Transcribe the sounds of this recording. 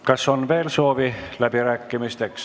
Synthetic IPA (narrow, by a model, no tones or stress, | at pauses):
kɑso̞nve̞ːlso̞ːvilæb̥iɾæːkːimist̪eks